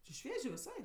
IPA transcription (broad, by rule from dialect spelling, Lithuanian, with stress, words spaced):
t͡ʃʲɪ ˈʃʲʋʲiɛʒʲeː ʋʲɪˈsɐɪ